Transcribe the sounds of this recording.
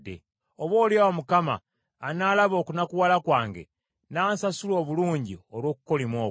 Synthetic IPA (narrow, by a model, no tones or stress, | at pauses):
dḛ | oβo̞ːliawamukama̰ː | naːlaβo̞ːkunakuwalakwaːŋɡe̞̰ | naːnsasulo̞ːβuluːɲɟiolwo̞ːkuko̞limoː